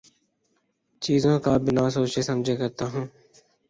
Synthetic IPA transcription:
t͡ʃiːzõːkaːbɪnãːsoːt͡ʃeːsəmd͡ʒʱeːkəɾt̪aːɦũː

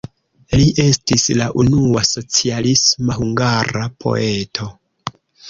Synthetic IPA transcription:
liʔe̞stislaʔunuaso̞t͡sialismahuŋɡaɾapʰo̞̰e̞tʰo̞

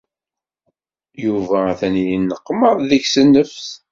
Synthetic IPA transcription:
juvææθænjinːəqːməðˤðəçsənːəfs

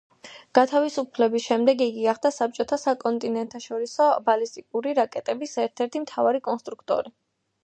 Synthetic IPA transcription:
ɡ̥at̪ʰavisupʰlɛbisʃɛmd̪ɛɡiɡiɡaχd̪asap̚t͡ʃʼɔt̪ʰasakʼɔnt̪ʼinɛnt̪ʰaʃɔɾisɔbalist̪ʼikʼuɾiɾakʼɛt̪ʼɛbisɛɾt̪ʰɛɾt̪ʰimt̪ʰavaɾikʼɔnst̪ʼɾukʰt̪ʼɔ̰ɾi

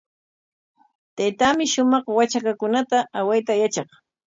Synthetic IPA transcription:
t̪ajt̪amɪʃʊmɑχwat͡ʃakakʊnat̪aawajt̪ajat͡ʃɑχ

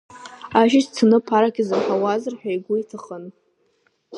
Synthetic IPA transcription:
aʒɪʃt͡sʰɨnɨpʰaɾakʲʰazɨrħawazɨrħᶣajɡʷʊitʰaχən

